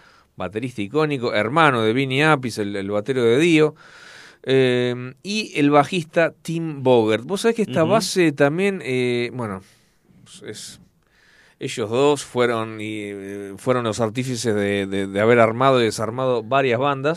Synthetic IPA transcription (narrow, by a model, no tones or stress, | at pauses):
bat̪e̞ɾist̪aiko̞niko̞ʔeɾmanoðe̞βiniap̬iselelβat̪eɾoðe̞ðio̞ | emielβaxist̪at̪imboɣeɾt̪̚bosːaβe̞hkehtt̪aβaset̪ambje̞nebwe̞no | ses | eʃozðo̞sfweɾonifweɾonlo̞saɾt̪ifis̬ezðeðeðeaβeɾaɾmað̞oiðesaɾmað̞o̞βaɾjazβand̪as